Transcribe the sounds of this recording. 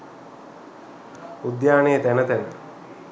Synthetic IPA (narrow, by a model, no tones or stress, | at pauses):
ud̪jaːneːt̪ænət̪ænə